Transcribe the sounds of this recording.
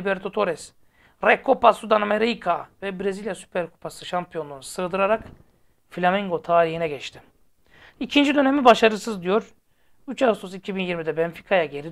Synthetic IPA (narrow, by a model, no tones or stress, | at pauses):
ibɛɾt̪ʰot̪ʰo̞ɾɛs | ɾɛkʰːopasud̪anameɾijkʰavɛbɾezilʲjasy̥pʰɛɾkʰu̥pasɯʃampʰijo̞nunsɯːd̪ɯɾaɾak | filʲamiŋɡo̞t̪ʰaːɾihinɛɟɛt͡ʃt̪ʰi | icʰind͡ʒid̪ø̞nemibaʃaɾɯsɯzd̪ijo̞ɾ | yt͡ʃasus̬icʰibinjiɾmid̪ɛbɛnfi̥kʰajaɟe̞ɾi